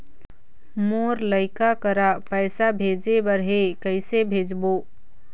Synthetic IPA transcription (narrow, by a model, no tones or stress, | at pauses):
moːɾləɪkakəɾapəɪsabʱeːd͡ʒebəɾɦekəɪsebʱeːd͡ʒboː